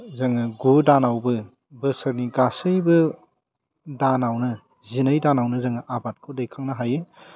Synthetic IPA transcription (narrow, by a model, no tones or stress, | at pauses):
zɐŋɯɡudanawbɯ | bɯsɐɾniɡasɯjbɯ | danawnɯ | zinɯjdanawnɯzɐŋɐʔabat̚kʰodejkʰaŋnɐɦajɯ